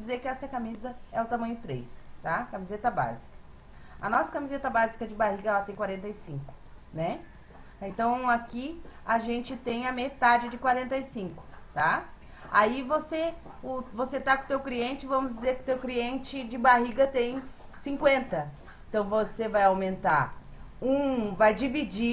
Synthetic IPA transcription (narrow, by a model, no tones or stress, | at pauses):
d͡ʒɪzeɾkɪɛsɐkamizɐɛʊt̪amɐ̃ɲ̃ʊt̪ɾḛjst̪akɐmizet̪ɐba̰zikɐ̥ | ɐ̰nɔsɐ̥kɐmizet̪ɐbazikɐd͡ʒɪbahiɡɐɛlɐt̪ẽj̃kwaɾẽnt̪ɐɪsĩŋkʊ̥nɛ | ẽnt̪ɐ̃w̃akiaʒẽnt͡ʃɪt̪ẽj̃ɐmet̪ad͡ʒɪd͡ʒɪkwaɾẽnt̪ɐisĩŋkʊ̥ | t̪a | aivose | ʊvoset̪akõt̪ewkliẽnt͡ʃɪvɐ̃mʊzd͡ʒɪzeɾkɪʊ̥t̪ewkliẽnt͡ʃɪd͡ʒɪbaɦiɡɐt̪ẽj̃ | sĩkwẽnt̪ɐ | ẽnt̪ɐ̃w̃vosevajawmẽnt̪aɾ | ũvajd͡ʒivid͡ʒi